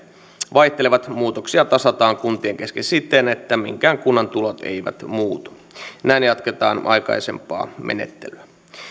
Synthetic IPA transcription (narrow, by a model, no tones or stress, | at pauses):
ʋɑiht̪eleʋɑt̪muːt̪oksiɑt̪ɑsɑt̪ɑːŋkunt̪ieŋk̟eskesit̪ːenet̪ːæmḭŋkæːŋkunːɑnt̪ulot̪e̞̰iʋæ̰t̪muːt̪u̥ | næinjɑt̪ket̪ɑːnʔɑ̰jkɑ̰ise̞̰mpɑ̰ːmḛnḛt̪ːelyæ